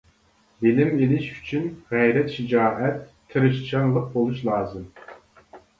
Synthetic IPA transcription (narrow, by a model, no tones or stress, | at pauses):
bɪlɪmelɪʃy̥t͡ʃʰynʁæjɾɛt̪ʃid͡ʒɑːʔɛt̪ːʰɨɾɨʃt͡ʃʰɑŋlˠəq̚bolˠuʃlˠɑːzɨm